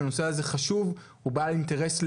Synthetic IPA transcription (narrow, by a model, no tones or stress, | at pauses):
no̞seaze̞χaʃuv | ubalinte̞ʁe̞sl